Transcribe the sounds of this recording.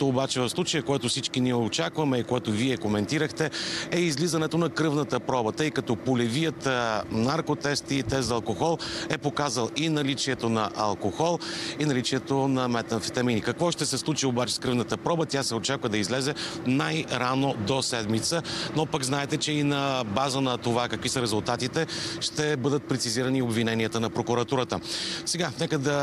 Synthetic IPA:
t̪oːbat͡ʃɛvɐfslˠut͡ʃəjəkoɛt̪ʊsit͡ʃkiniɛot͡ʃakvɐmɛikoɛt̪oviɛkomɛnt̪iɾəxt̪ɛɛizlizɐnɛt̪onɐkɾɤvnət̪əpɾɔbət̪əjkɐt̪ɔpolɛvijət̪naɾkot̪ɛst̪it̪ɛzɐlˠkoxɔlˠɛpokazəlˠinɐlit͡ʃiɛt̪onɐʔɐlˠkoxɔlˠinɐlit͡ʃiɛt̪onɐmɛt̪ɐnfit̪ɐminikɐkvɔʃt̪ɛsɛslˠut͡ʃiobat͡ʃɛ̥skɾɤvnət̪əpɾɔbət̪ʲjasɛot͡ʃakvəd̪ɐizlɛzɛnajɾanod̪osɛd̪mit̪sənopəɡznaɛt̪ɛt͡ʃɛinɐbazənɐt̪ovakəkvisəɾɛzulˠt̪at̪it̪ɛʃt̪ɛbɤd̪ət̪̚pɾɛt̪siziɾəniobvinɛniət̪ənɐpɾokuɾɐt̪uɾət̪əsɛɡanɛkəd̪ɐ

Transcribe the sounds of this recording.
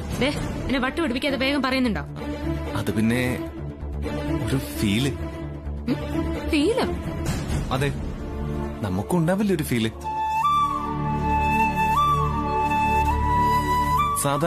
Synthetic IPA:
d̪eːpinːeʋɐʈːɨʋiɽupːikʲːaːðɨʋe̞ːɣɐmpɐrɐjunːuɳɖoː | ɐðɨpinːe̞ | o̞ɾufiːlɨ | fiːlo | ɐðe̞ː | nɐmukːuɳɖaːʋilːɐo̞ɾufiːlɨ | saːd̪ʱ

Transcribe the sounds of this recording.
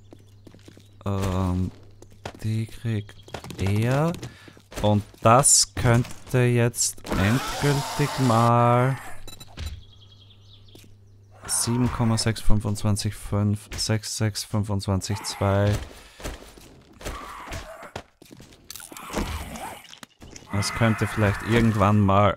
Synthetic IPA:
ʔɛm | d̥iːkʁ̥iːktʔeːɐ | ʔʊntd̥askʰœntʰəjɛt͡stʔɛntɡ̥ʏltɪçmaːl | z̥iːbm̩kʰɔmazɛksfʏnvʊnt͡sv̥ant͡sɪçfʏnfz̥ɛksz̥ɛksfʏnvʊnt͡sv̥ant͡sɪçt͡sv̥aɪ | d̥askʰœntəfɪlaɪçtʔɪɐɡŋ̩tv̥anmaːl

